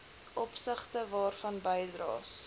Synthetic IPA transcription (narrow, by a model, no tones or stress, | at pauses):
ʔɔpsəχtəvɑːrfɐnbəjdrɑ̰ːs